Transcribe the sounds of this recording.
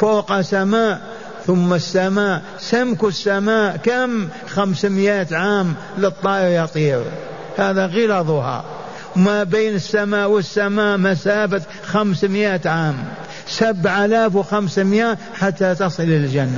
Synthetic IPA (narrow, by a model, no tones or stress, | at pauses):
foːqasamaːʔ | θʊmːasːamaːʔ | samkusːamaːʔkam | xamsmjaːt̪ʕaːm | lɨt̪ˤːɑːʔɪɾjɑt̪ˤiːɾ | haːðaɣɪlɑðˤuhɑ̰ | wmabeːnɪsːamaːʔwɪsːamaːʔmasaːfat̪ | xamsmjaːt̪ʕaːm | sabʕalaːfwxamsmjaːʔ | ħat̪ːat̪ɑsˤɨlɪld͡ʒanːa